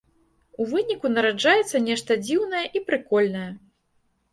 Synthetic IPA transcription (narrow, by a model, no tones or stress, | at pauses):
uvɨnʲikunɐɾad͡ʐajɛt̪sːɐnʲɛʂt̪ɐd͡zʲiwnɐjɐʔipɾɨkɔlʲnɐjɐ